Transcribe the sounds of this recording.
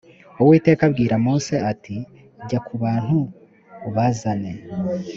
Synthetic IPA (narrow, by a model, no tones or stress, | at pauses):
owiːte̞ːkabɡiːɾamoːse̞ati | ɟakʰuβaːn̥huː | βazane